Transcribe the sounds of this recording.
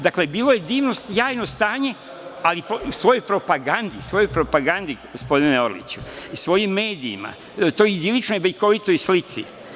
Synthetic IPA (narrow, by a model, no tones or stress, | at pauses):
d̪akle̞biːlo̞je̞d̪iːʋnosjaːjnost̪aːɲe̞ | aliposʋo̞jojpɾo̞paɡand̪isʋo̞jojpɾo̞paɡand̪iɡ̥ospo̞d̪ineo̞ɾlḭt͡ɕuisʋo̞jimːe̞ːd̪ḭːma̰ | t̪ojid̪ilit͡ʃnojʋeliko̞ʋit̪o̞jslit̪sḭ